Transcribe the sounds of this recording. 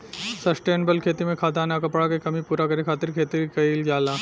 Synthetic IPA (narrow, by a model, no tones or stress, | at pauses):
sɐsʈeːnbəlkʰeːt̪imẽkʰaːt̪aːnakɐpɽakekɐmipuːɾakɐɾekʰaːt̪ɪɾkʰeːt̪ɪɾkɐiːld͡ʒaːlaː